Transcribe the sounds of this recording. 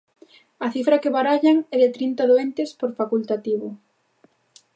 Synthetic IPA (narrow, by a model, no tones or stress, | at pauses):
ɐθifɾakeβaɾaʎaŋɛðɪt̪ɾint̪aðoent̪espoɾfakult̪at̪iβʊ